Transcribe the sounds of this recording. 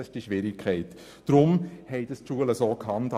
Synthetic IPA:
ɪʃd̥iʃʋɪɾɪkʰɛɪt | d̥ɾʊmhɛɪd̥əstʃuələsoːkʰhɑnt

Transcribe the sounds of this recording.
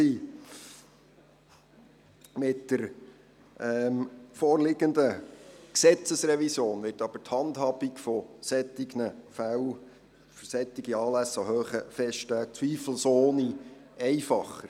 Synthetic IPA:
iː | mɪtd̥əɾ | ɛmfɔːɾlɪɡənd̪əksɛt͡səsrɛvisjoːnʋɪtɑb̥əthɑndhɑːb̥ikfɔsɛt̪ːɪɡnəfæw | fsɛt̪ːɪɡiɑːlæsːɑhøːχəfɛstæt͡sʋiːfl̩soːniɛɪfɑχəɾ

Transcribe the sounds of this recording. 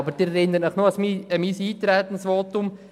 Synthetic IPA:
bəɾd̥iɾɛɾɪnəɾnəχnoɑsmiəmiːsiːt̪ɾɛt̪ən̩sʋoːt̪ʊm

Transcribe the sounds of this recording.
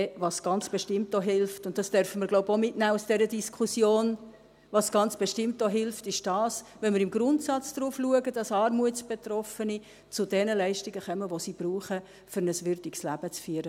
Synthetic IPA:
ʋɑsɡ̥ɑnt͡sb̥eʃtɪmtoɦɪlftʊnt̚d̥ɑsd̥œɾfəməɾɡloʊbomɪtnæːusd̥ɛɾədiskʰusjoːn | ʋɑsɡ̥ɑnt͡sb̥eʃtɪmtoɦɪlftɪʃd̥ɑːsʋɛnmɪɾɪmɡɾʊntsɑt͡sd̥ɾuːfluəɡəd̥ɑsɑːɾmuətt͡sb̥etrɔfəni | t͡sʊdɛnəlɛɪʃtiɡəχœməʋosib̥ɾuːχə | fʏɾnəsʋʏɾdikslæb̥ət͡sfyəɾə

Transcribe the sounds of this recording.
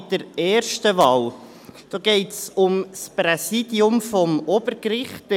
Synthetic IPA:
d̥əɾɛːrʃtəʋɑːw | d̥ɔːɡ̥ɛɪtsʊmspɾɛsid̥iʊmfɔmɔb̥əɾkɾɪχt

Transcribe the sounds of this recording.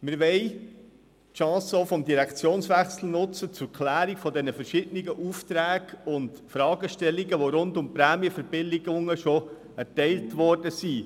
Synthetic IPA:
mɪɾʋɛɪ | tʃɑ̃ːsoʊfɔmdiɾækt͡sjoːnsʋæχsl̩nʊt͡sət͡sʊɾkʰlæːɾiɡfɔdɛnəfɛrʃɪdəniɡəʔuːft̪ɾæːɡ̥ʊntfɾɑːɡəʃtɛlːiɡəʋoɾʊntʊmpɾæːmiəfəɾb̥ɪlːɪɡʊŋəʃɔ | æɾtɛɪltʋɔrd̥əsi

